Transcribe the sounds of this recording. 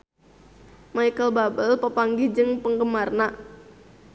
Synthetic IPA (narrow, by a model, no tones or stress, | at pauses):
majkəlbabəlpəpaŋɡid͡ʒɨŋpəŋɡəmarna